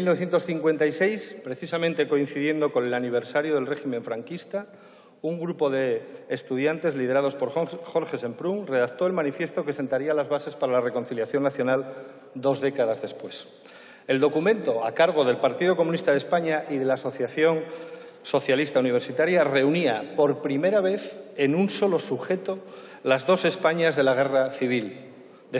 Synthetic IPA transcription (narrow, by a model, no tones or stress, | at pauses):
milnoθjent̪o̞sθiŋkwe̞nt̪aisejspɾe̞θisamẽnt̪e̞ko̞inθiðje̞nd̪o̞konelaniβ̞e̞ɾsaɾjo̞ð̞elre̞ximeɱfɾaŋkist̪a | uŋɡɾupo̞ðeːst̪uð̞jant̪e̞zlið̞e̞ɾað̞o̞spo̞ɾxo̞ɾxe̞se̞mpɾuŋre̞ðakt̪o̞e̞lmanifje̞st̪o̞ke̞se̞nt̪aɾialazβase̞spaɾalare̞ko̞nθiljaθjo̞nːaθjonal | d̪o̞zðe̞kaðazðe̞spwe̞s | e̞ld̪o̞kumẽ̞nt̪o̞akaɾɣ̞o̞ðe̞lpaɾt̪iðoko̞mũnist̪aðe̞spaɲaʔiðe̞laːso̞θjaθjo̞n | so̞θjalist̪auniβ̞e̞ɾsit̪aɾjare̞uniapo̞ɾpɾime̞ɾaβe̞θe̞nunso̞lo̞suxe̞t̪o̞ | lazðo̞se̞spaɲazðe̞laɣe̞raθiβ̞il | d̪e